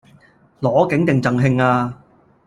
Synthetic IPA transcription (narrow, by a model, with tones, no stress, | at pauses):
lɔː˨˥kɪ˨˥ŋt̪ɪ˨ŋt͡sɐ˨˧ŋɦɪ˧ŋaː˧